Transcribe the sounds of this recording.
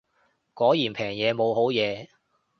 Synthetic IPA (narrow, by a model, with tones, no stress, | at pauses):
kɔː˨˥jiː˨˩npʰɛː˨˩ŋjɛː˨˧mo˨˧wɦo˨˥wjɛː˨˧